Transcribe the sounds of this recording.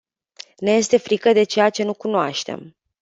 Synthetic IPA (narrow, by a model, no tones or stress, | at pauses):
neje̞st̪e̞fɾikəd̪e̞t͡ʃe̞jat͡ʃe̞nukunoaʃt̪e̞̰m